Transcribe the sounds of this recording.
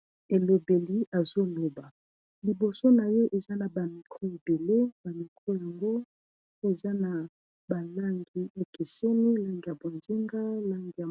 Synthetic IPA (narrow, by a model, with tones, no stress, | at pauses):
e˨lo˨be˨li˦ʔa˨zo˦lo˨ba˨ | li˨bo˨so˦na˨je˦ʔe˨za˦na˨ba˨ni˨kʰo˦i˨be˨le˦ba˨ni˨kʰo˦ja˨ŋɡo˦ | e˨za˦na˨ | ba˨la˦ŋɡi˦e˦ke˨se˦ni˦la˦ŋɡi˨ja˨bo˨nzi˦ŋɡa˦la˦ŋɡi˨ja˨